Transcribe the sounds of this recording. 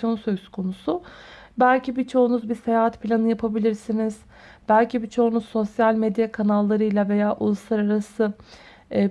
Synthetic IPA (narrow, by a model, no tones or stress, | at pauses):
jo̞nsø̞z̥kʰo̞nusubælʲcʰibit͡ʃʰo̞unuzbise̞jaːɦat̪pʰilʲanɯjapʰabilʲiɾsiniz̥ | b̥ælʲcibit͡ʃʰo̞unuzːo̞sjalʲmed̪jakʰanalˠːaɾɯjlʲˠave̞jaːʔṵlˠuslˠaɾaɾasɯ